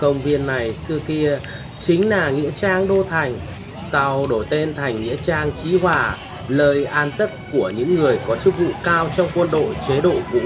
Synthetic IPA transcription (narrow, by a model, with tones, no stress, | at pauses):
kə˧wŋ͡mvi˧ənːa˨˩jsɨ˧əki˧ə | t͡ɕï˨˦ŋ̟laː˨˩ŋḭ˧˥ət͡ɕaː˧ŋɗo˧t̪ʰa˨˩jŋ̟ | sa˧wɗo˧˩jt̪e˧nt̪ʰa˨˩jŋ̟ːḭ˧˥ət͡ɕaː˧ŋt͡ɕi˨˦ɦwaː˨˩ | ləː˧˩jʔaː˧nzə˦˥t̚ku˧˩əɲɨ̰˧˥ŋːɨ˨˩əjkɔ˨˦t͡ɕɨ˦˥k̚vṵ˧˨kaː˧wt͡ɕɔ˧wŋ͡mkwə˧nɗo̰˧˨jt͡ɕe˨˦ɗo̰˧˨vṵ˧˥